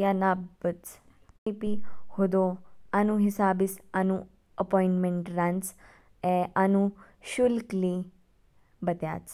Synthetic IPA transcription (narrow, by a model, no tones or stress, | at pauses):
janabət͡s | ipihod̪oanũɦɪsaːbisanũ | əpoĩɳʈmẽɳʈɾant͡s | eʔanũ | ʃulkli | bət̪ja̰ːt͡s